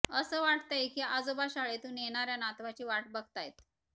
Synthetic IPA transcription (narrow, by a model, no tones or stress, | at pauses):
əsəːʋaʈt̪ajekiad͡zobaɕaɭet̪ũneɽ̃aɾjanat̪ʋat͡ɕiːʋaʈ̚bəɡt̪ajet̪